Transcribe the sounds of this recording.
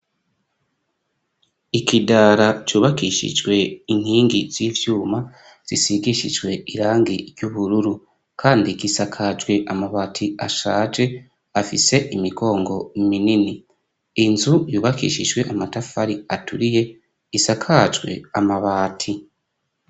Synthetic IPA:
ikidaːɾat͡ʃuːβakiʃḭd͡ʒɡwe̞in̥hiːŋɡiz̥iːvjuːma | z̥isiɡiʃid͡ʒɡwe̞iɾaːŋɡiɾjuβuɾuɾu | kʰaːndiɡisakʰad͡ʒwe̞ʔamaβaːtʰiaʃaːd͡ʒe̞ | afise̞ʔimiɡo̞ːŋɡo̞minini | inzujuːβakḭːʃid͡ʒɡwe̞ʔamatafaɾiatuɾije̞ | isakʰad͡ʒɡwe̞̰amaβaːtʰi

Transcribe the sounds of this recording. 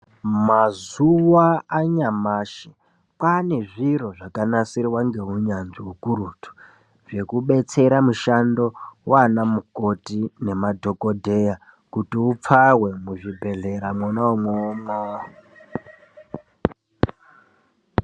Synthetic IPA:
mazuwaaɲamaːʃe | pane̞ʐiro̞ʐakanasiriwaŋɡe̞uɲanʐiukuɾutʰu̥ | ʐe̞kuɓe̞t͡se̞ɾamuʃando̞wanamuko̞tine̞madʱo̞ko̞dʱe̞ja | kutiup͡fawe̞muʐibʱe̞ɮe̞ɾamwonaumwomaɦo

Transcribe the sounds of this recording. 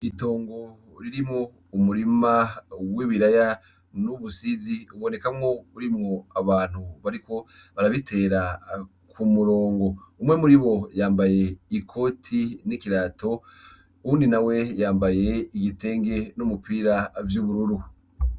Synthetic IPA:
ito̞ːŋɡo̞ | ɾiɾimŋo | umuɾimawiːβiɾaja | nuβusiziuβo̞ne̞kamŋouɾimŋoaβaːn̥huβaɾiko̞βaɾaβitʰe̞ːɾa | kʰumuɾo̞ːŋɡo̞umŋe̞muɾiβo̞jaːmbaje̞ikʰo̞tʰinikiɾaːto̞ | uuːndinawe̞jaːmbaje̞iɡite̞ːŋɡe̞numupiːɾavjuːβuɾuɾu

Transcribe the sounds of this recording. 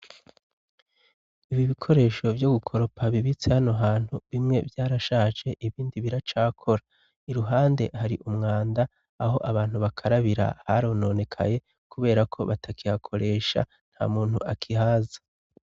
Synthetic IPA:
iβiβikʰo̞ɾe̞ːʃo̞vjo̞ɡukʰo̞ɾo̞paβiβit͡sehano̞ɦaːn̥huβimŋe̞̰vjaːɾaʃaːt͡ʃe̞ʔiβiːndiβiɾat͡ʃaːkʰo̞ɾa | iɾuɦaːnde̞̰haɾiʔumŋaːndaː | ɦo̞ʔaβaːn̥huβakʰaɾaβiɾa̰haɾono̞ːne̞kʰa̰je̞ | kuβe̞ːɾakʰo̞̰βatʰakihakʰo̞ɾe̞ːʃa̰ | n̥ha̰ːmuːn̥huʔakʰihaːzḁ

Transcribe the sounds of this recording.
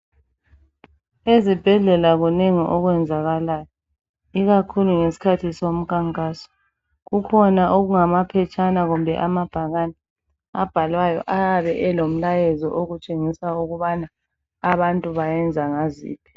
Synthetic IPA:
ezib̥ʱɛɮɛlaɣuneŋiʔɔɣwɛnd͡zʱaɣalajɔ | iɣakʰuluŋesi̥kʰatʰisom̩kʰaŋkʼaːsɔ̥ | ɣukʰɔnaʔoɣuŋamapʰɛt͡ʃʼanaɣumbʱɛ̰ʔamab̥ʱaɣanɛ | ab̥ʱalwajɔ̰ʔajaβɛʔɛlom̩lajɛzɔ̰ʔoɣut͡ʃʼeŋisauɣuβanaː | βantʼuβajɛnd͡zʱaŋazḭːpʰi̥

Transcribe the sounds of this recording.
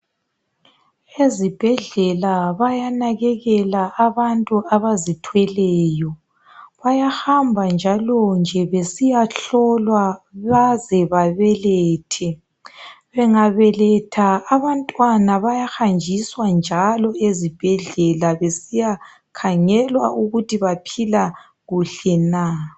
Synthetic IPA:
ezib̥ʱɛɮɛlaβajanaɣɛɣɛlaʔaβantʼuaβazitʰwɛlɛːjɔ | βajaxambʱand͡ʒʱalɔnd͡ʒʱɛβesijaɬɔlwaβazɛβaβɛlɛːtʰɛ | βɛŋaβɛlɛtʰaːβantʼwanaβajaxand͡ʒʱiswand͡ʒʱalɔezib̥ʱɛɮɛlaβesija | kʰaŋɛlwaʔuɣutiβapʰila | ɣuɬɛna

